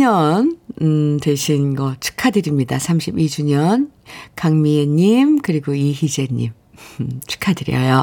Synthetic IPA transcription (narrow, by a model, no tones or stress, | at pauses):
ɲʌnɯtwe̞ɕʰinɡʌt͡ɕʰɯ̥kʰadɯɾimɲidasʰamɕʰibid͡ʑuɲʌnkaŋmieɲimkɯɾiɡoiɦid͡ʑe̞ɲḭm | t͡ɕʰɯ̥kʰadɯɾjʌ̰jo